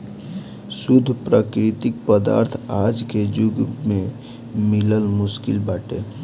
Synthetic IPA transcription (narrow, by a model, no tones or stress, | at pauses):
sʊd̪ʱpɾaːkɾɪt̪ɪk̚pəd̪a̰ːɾt̪ʰaːd͡ʒked͡ʒʊɡmẽ | mɪləlmʊskɪlbaːʈḛː